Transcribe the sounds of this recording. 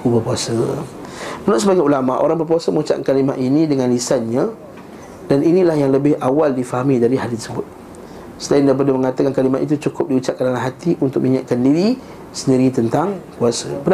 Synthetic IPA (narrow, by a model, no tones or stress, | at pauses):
kubapuasə | mənʊʔsəbaŋat̪ulamaʔo̰ɾaŋbəp̬uasəməŋut͡ʃa̰ʔkkalimaʔinĩdəŋãnlisanɲã | daninilahjaŋləbɪhawaldifaɦamidaɾiɦaɾit̪əɾsəbʊt̪̚ | səlaɪndabədəməŋat̪akankalimaʔ̪it̪̬ut͡ʃukʊp̚diut͡ʃaʔ̚kanalaɦat̪iʔunt̪ʊkmiɲaʔ̚kandiɾi | səndiɾit̪ənt̪aŋkuasəbən